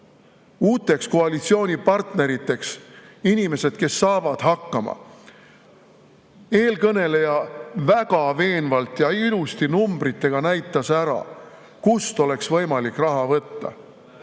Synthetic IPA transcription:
uːt̪ːˑe̞ksko̞ɑlit̪sio̞ːnʲipɑrt̪ne̞ɾit̪ːˑe̞ksinʲime̞se̞d̪̥̚ke̞sːɑːvɑd̪̥ɦɑkːɑmɑ̰ | e̞ːlkɤne̞le̞jɑvæɡɑve̞ːnvɑlt̪ˑjɑilust̪inumbɾit̪ːˑe̞ɡ̥ɑnæjt̪ˑːɑsæɾɑ̰ | kust̪o̞le̞ksvɤ̞jmɑlikːˑrɑɦɑvɤt̪ːɑ̰

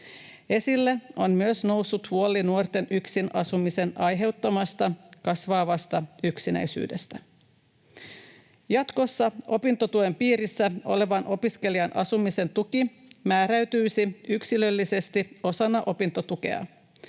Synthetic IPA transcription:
e̞silːeo̞nmyøsno̞wsːut̪huolːinuort̪e̞nʔyksinʔɑsumise̞nɑjɦe̞wt̪ːɑmɑst̪ɑkɑsʋɑːʋɑst̪ɑyksinæ̰jsy̰ːde̞st̪æ | jɑt̪ko̞sːɑo̞pint̪ot̪ue̞mpiːɾisːæo̞̰le̞ʋɑnʔo̞piske̞liɑnʔɑ̰sumise̞nt̪uki | mæːɾæɥt̪yjsiyksilø̞lːise̞st̪io̞sɑnːɑʔo̞pint̪o̞t̪uke̞̰ɑ̰

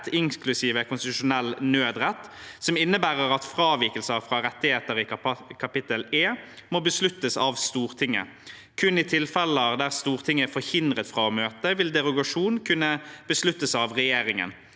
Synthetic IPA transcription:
t̪ʰɪŋklʉsiːʋəkʰʊnst̪ɪt̪ʉʂʊnɛlːnøːd̪ʁɛt̪ːsɔmɪnːəbæːʁəʁɑt̪fʁɑːʋiːkəlsəʁfʁɑːʁɛt̪ːɪheːt̪əʁɪkʰɑpɪt̪əleːmoːbəslʉt̪ːəsɑʋst̪uːʁt̪ʰɪŋːə̰ | kʰʉnːɪt̪ʰɪlfɛləɑd̪æʁst̪uːʁt̪ʰɪŋːəfɔɾhɪnd̪ʁət̪fʁɑːɔmøːt̪əʋɪld̪ɛʁʊɡɑʂuːnkʰʉnːəb̥əslʉt̪ːəsɑʋʁɛjeːʁɪŋə̰n

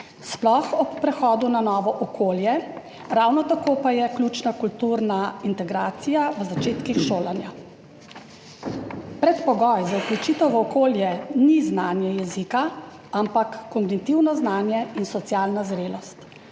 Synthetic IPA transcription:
splɔxɔpːɾɛxɔːd̪unanɔːʋɔʔɔkʰoːljɛ | ɾawnɔt̪akoːpajɛklʲut͡ʃnakult̪uɾnaint̪ɛɡɾaːt̪sijaʋəzat͡ʃeːt̪kixʃoːlanja | pɾɛt̪pɔɡɔjzauklut͡ʃit̪ɔwʋɔkoːljɛniznaːnjɛjɛzika | ampakːɔŋɡnit̪iwnɔznaːnjɛinsɔt̪sjaːlnazɾeːlɔst̪

